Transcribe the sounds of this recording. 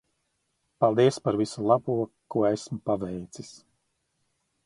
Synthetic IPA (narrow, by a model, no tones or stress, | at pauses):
palˠd̪iɛspaɾvisulˠabuɔkːuɔesmpavɛjt̪sis